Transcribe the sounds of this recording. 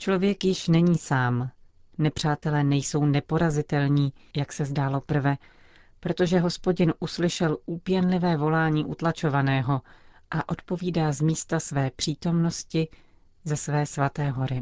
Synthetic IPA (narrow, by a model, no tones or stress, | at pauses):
t͡ʃlo̞vjɛkjɪʃnɛɲiːsaːm | nɛpr̝̥aːt̪ɛlɛːnɛjso̞wnɛpo̞ɾazɪt̪ɛlɲiːjaksɛzdaːlo̞pr̩vɛ | pɾo̞t̪o̞ʒɛɦo̞spo̞ɟɪnʔuslɪʃɛluːpjɛnlɪvɛːvo̞laːɲiːʔut̪lat͡ʃo̞vanɛːɦo̞ | ʔaʔo̞t̪po̞viːdaːzmiːst̪asvɛːpr̝̥iːt̪o̞mno̞scɪ | zɛsvɛːsvat̪ɛːɦo̞ɾɪ